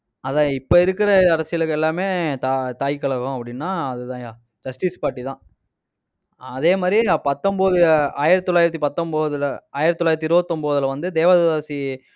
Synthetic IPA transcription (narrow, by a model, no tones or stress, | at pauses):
ɐðãːɪpːɐɪɾɯkːɪɾɐɐɾɐsɪjɐɭɯkːɛlːaːmeːt̪aːt̪aːjkːɐɭɐɣʊ̃ɐpːɐɽɪnːaːɐðɯt̪ãːjaː | d͡ʒɐsʈɪspaːɾʈːit̪ãː | ɐðeːmaːd̪ɾiapɐt̪ːɔmboːðɯaːjɪɾɐt̪ːɔlaːjɪɾɐt̪ːipɐt̪ːɔmboːðɯlaːjɪɾɐt̪ːɔlːaːjɾɐt̪ːiɪɾɯbɐt̪ːɔmboːðɯlɐʋɐnd̪ɯd̪eːʋaːðɐðaːsi